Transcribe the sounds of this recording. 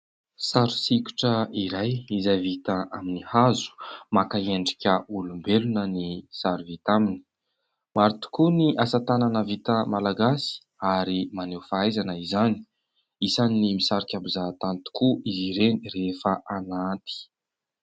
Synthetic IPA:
saɾu̥sikʲu̥ʈ͡ʂəiɾajizajvit̪aʔaminihazu̥makaeɳɖ͡ʐi̥kʲəulumbelunənisaɾuvit̪amini̥ | maɾit̪u̥kuniʔasat̪ananəvit̪əmalaɡasi̥ | aɾimanewfaajzanəizani̥ | isannimisaɾikʲambuzat̪anit̪u̥kuiziɾenirefəʔanant̪i̥

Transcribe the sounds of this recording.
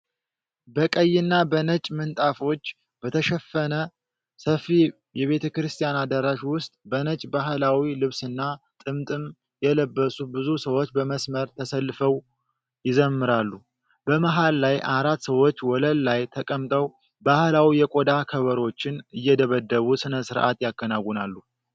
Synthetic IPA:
bəkʼəjːɪnːabənət͡ʃʼmɨnt̪ʼafo̞t͡ʃː | b̥ət̪ʰəʃɛfːənə | səfi | jɛβe̞t̪ʰəkɨɾɨst̪ʰʼijanad̪əɾaʃwʊst̪ʼbənət͡ʃʼbaɦlawilɨβsɨnːa | t̪ʼɨmt̪ʼɨm | jɛləbːəsubɨzusəwo̞t͡ʃːbəməsməɾt̪ʰəsəlːɨfəw | jɪzəmːɨɾalːu | bəmaɦalːajʔaɾat̪səwo̞t͡ʃːwɔləlːajt̪ʰəkʼəmt̪ʼəw | bahlawijɛkʼod̪akʰəβəɾo̞t͡ʃːɪnɨjːɛd̪əβəd̪ːəβusɨnəsɨɾʔa̰t̪jakːənaɡʷunalːu

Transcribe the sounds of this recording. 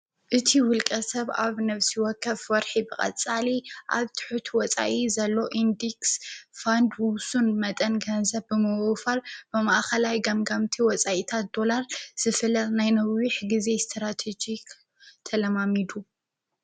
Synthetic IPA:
ʔɨt̪ʰiwʊlkʼɐsɐβa̰βnɐβsiwɔkʰːɐfwɔɾħibɨkʼɐ̰t͡sʼaliʔa̰βt̪ʰɨ̥ħut̪ʰwɔt͡sʼa̰ʔizɐlːo̞ʔind̪iksfand̪wuwsunmɐt̪ʼɐnɡɐnzɐβbɨmɨwfalb̥ɨmaʔxɐlajɡɐmɡamt̪ʰiwɔt͡sʼaʔit̪ʰat̪̚d̪̥o̞laɾz̥ɨfɨlɐnajnɐwiħɡize̞st̪ʰɾat̪ʰed͡ʒik | t̪ʰɐlɐmamid̪u

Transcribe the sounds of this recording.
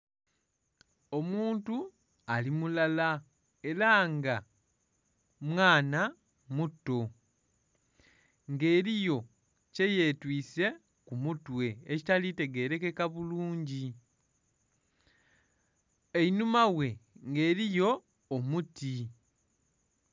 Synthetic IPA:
o̞muːntu | alimulala | e̞ɾaŋɡa | mwaːna | mutːo̞ | ŋɡe̞ːɾijo̞ | ce̞je̞ːtwiːse̞ | kumutwe̞ecitalite̞ɡe̞ːɾe̞ke̞kaβuluːɲɟi | e̞inumawe̞ŋɡe̞ːɾijo̞ː | muti

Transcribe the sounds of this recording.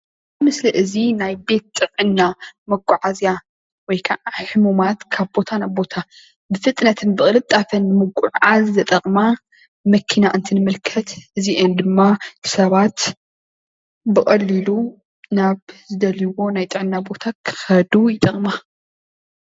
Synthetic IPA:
ɨmɨsliʔɨzinajbe̞t̪̚t̪ʼɨʕɨnːamɐɡʼuʕazja | wɔjkʰaʕħɨmumat̪kʰaβbo̞t̪ʰanajbo̞t̪ʰa | bɨfɨt̪ʼnɐt̪ʰɨnbɨχʼɨlɨt̪ʼːafɐnːɨmɐɡʷʼuʕʕazzɐt̪ʼɐχʼma | mɐkʰinaʔɨnt̪ʰinɨmɨlkʰɐt̪ɨziʔɛnd̪ɨmːasɐβat̪ | bɨχʼɐlːilu | naβzɨd̪ɐliwo̞najt̪ʼɨʕɨnːabo̞t̪ʰakʰɨ̥xɐd̪ujɪt̪ʼɐχʼma

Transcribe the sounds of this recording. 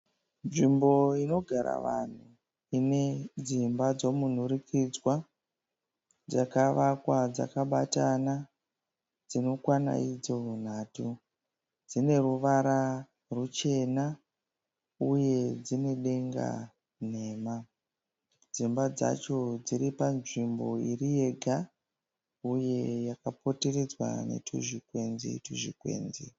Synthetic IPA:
nʐimbo̞ino̞ɡʱaɾa̰ʋan̤u | ined͡zimbad͡zo̞mun̤uɾikʰid͡zwa | d͡zakaʋakwad͡za̰kaɓatana | d͡zino̞kwana̰id͡zo̞n̤aːtu | d͡zine̞ruʋaɾa | rut͡ʃe̞na | uje̞d͡zine̞ɗe̞ŋɡa̰ | n̤e̞ːma | d͡zimbad͡za̰t͡ʃo̞d͡ziɾipanʐimbo̞irije̞ɡʱa | uje̞jakapo̞te̞ɾed͡zwa̰ne̞̰tʰuʐikwe̞nzḭtuʐḭkwḛːnzḭ

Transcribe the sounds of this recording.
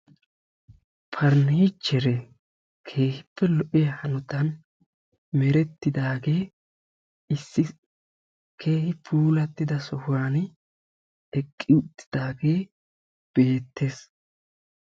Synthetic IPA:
pʰɐɾniːt͡ʃːɛɾɛ | kʰe̞ːhɪpːɛlɔʔɪjɐhɐnɔt̪ɐn | mɛɾɛt̪ːɪd̪aːɡe̞ː | ʔɪsːɪ | kʰe̞ːhɪpʰuːlɐt̪ːɪd̪ɐsɔhaːn | ɛkʼːɪʊt̪ːɪ̥d̪̥aːɡe̞ː | b̥e̞ːt̪ːe̞ːs

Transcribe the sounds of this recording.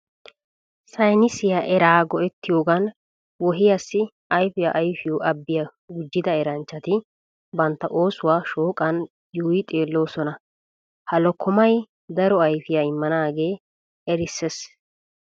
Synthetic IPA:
sɐjnɪsɪjaʔɛɾaːɡɔɛt̪ːɪjoːɡɐn | wɔɦɪjɐsːɪ | ɐjfɪjaʔɐjfɪjuːʔɐbːɪjɐ | ɡʊd͡ʒːɪd̪ɐɛɾɐnt͡ʃːɐt̪ɪ | bɐnt̪ːɐʔo̞ːsʊwaːʃoːkʼɐn | juːjɪt̪ʼeːlːo̞ːsɔnɐ | hɐlɔkːɔmɐj | d̪ɐɾɔɐjfɪjaɪmːɐnaːɡe̞ː | ɛɾɪsːes

